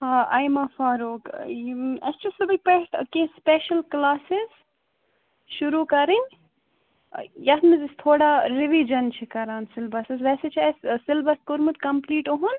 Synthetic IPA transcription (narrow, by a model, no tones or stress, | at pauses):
hãɐ̰jmɐfaːɾuːk | ɐst͡ʃʰusɐb̪ɐpeʈkẽspeːʃɐlklaːsiz | ʃuɾuːkɐɾin | jɐt̪mizist̪ʰoːɽaɾiʋid͡ʒɐnt͡ʃʰikɐɾaːnsɪlbɐsɐzʋɛːset͡ʃʰiɐssɪlbɐskoɾmut̪kɐmpliːʈoɦun